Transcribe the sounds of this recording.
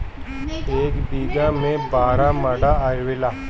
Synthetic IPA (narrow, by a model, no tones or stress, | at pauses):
eːkb̪iːɡamẽbaːɾamɐɽaaɾʋɪlaː